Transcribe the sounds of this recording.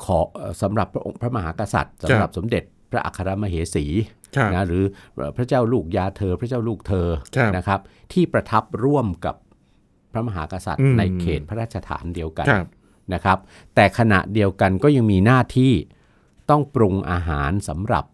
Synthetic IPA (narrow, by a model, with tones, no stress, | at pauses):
kʰɔː˩˦˨sa˩˦mɾa˨˩pʰːa˥ʔo̰˧ŋpʰɾa˦˥ma˧ɦa̰ː˩˦˥ka˧sa̰˨˩t̪̚sa˨˦ɾa˨˩p̚so˩˦mde˨˩t̪̚pʰɾa˦˥ʔa̰˨˩kʰːa˧ɾa˦˧ma˧ɦeː˩˦siː˩˦ | na˦˥ɾɯː˩˦˨pʰɾa˦˥t͡ɕaː˥˩wluː˥˩k̚jaː˧t̪ʰɤː˧pʰɾa˦˥t͡ɕaː˥˩wluː˥˩k̚t̪ʰɤː˧na˦˥kʰɾa˦˥p̚t̪ʰiː˥˩pɾa˧t̪ʰa˦˥p̚ɾu˥˩əmka̰˨˩pʰ | ɾa˦˥ma˧ɦaː˩˦ka˧sa̰˨˩t̪̚na˧jkʰeː˨˩t̪̚ʰa˦ɾaː˥˩t̪t͡ɕʰa˧t̪ʰa̰ː˩˦ndi˧əwka̰˧ | na˦˥kʰa˦˥p̚ | t̪ɛː˨˩kʰa˧na̰˨˩ʔdi˧əwka˧nkɔː˥˩ja˧ŋmiː˧naː˥˩t̪ʰiː˥˩ | t̪ɔ˥˩ŋpɾu˧ŋʔa̰ː˧ɦaː˩˦nsa˩˦mɾa̰˨˩p̚